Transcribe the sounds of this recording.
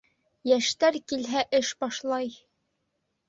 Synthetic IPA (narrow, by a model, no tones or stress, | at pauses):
jæʃt̪æɾkilɦæʔɘʃbɑʃlˠɑj